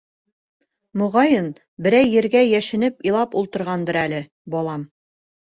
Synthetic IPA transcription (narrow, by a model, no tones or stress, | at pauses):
mŏʁɑjɤn | bɘ̆ɾæjːɘ̆ɾɡæjæʃɘ̆nɘpilˠɑpulˠt̪ɤ̆ɾʁɑnd̪ɤɾælɘ | bɒlˠɑm